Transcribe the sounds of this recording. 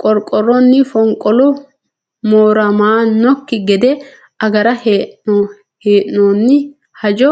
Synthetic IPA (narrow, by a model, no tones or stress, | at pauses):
kʼɔɾkʼːɔɾɔnːɪfɔŋkʼɔlʊ | moːɾɐmaːnɔkːɪɡɛd̪ɛ | ɐɡɐɾɐhe | heːʔnoːnːɪ | hɐd͡ʒɔ